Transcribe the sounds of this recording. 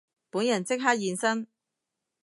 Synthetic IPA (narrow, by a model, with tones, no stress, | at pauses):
puː˨˥njɐ˨˩nt͡sɪ˥k̚ɦaː˥k̚jiː˨˧nsɐ˥n